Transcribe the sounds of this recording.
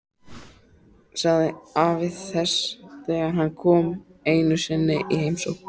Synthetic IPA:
saɣðɪavɪðθɛsθɛːɣaɦanːkʰɔːmeːjnʏsɪnːɪʔiɦejmsowk

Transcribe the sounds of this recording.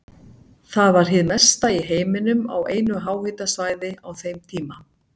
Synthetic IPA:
θaðvaɾ̥ɦɪðmɛ̥st̪aiɦeːjmɪnʏma̰weːjnʏɦaːwhɪt̪asvaːjðɪawθejmt̪ʰiːma

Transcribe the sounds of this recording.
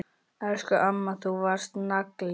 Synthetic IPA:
ɛskʏʔamːaθuvaɾ̥st̪nakl

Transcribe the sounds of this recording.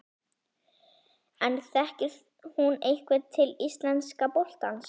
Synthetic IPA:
ɛnθɛhcɪ | hunejkvɪt̪ʰɪlist̪lɛnskapowl̥t̪ans

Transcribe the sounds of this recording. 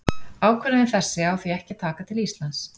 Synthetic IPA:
aːwkʰɛnɪɪθɛsːɪawθviɛhcɪt̪ʰaːkat̪ʰɪlist̪lans

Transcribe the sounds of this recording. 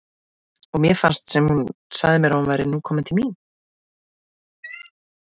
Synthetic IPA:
ɔɣmjɛfanst̪sɛmhunsaɣðɪmjɛɾahunvajɾɪnukʰɔːmɪnt̪ʰɪlmiːn

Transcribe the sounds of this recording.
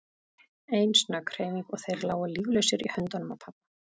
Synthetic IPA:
ejnsnakʰɾ̥eːjmikɔɣθejɾlaːwaliːɣlœɥsɪɾḭhœnt̪anʏmapʰapḁ

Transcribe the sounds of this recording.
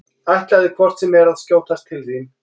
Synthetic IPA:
ajht̪laðɪkʰvɔr̥t̪sɛmɛɾaðscoːwt̪ast̪ʰːɪlθin

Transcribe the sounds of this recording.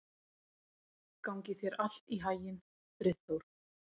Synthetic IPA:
kawŋcɪθjɛɾal̥t̪iɦaːjɪn | tɾɪθowɾ̥

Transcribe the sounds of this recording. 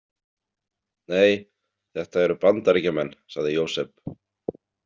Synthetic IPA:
neːj | θɛht̪aɛɾʏpant̪aɾɛcamɛnːsaɣðɪjoːwsɛp̚

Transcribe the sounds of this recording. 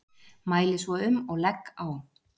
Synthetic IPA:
maːjlɪsvɔʏmɔɣlɛkːaw

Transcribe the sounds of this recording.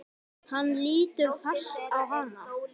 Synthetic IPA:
hanːliːt̪ʏɾfḁst̪awɦanːa

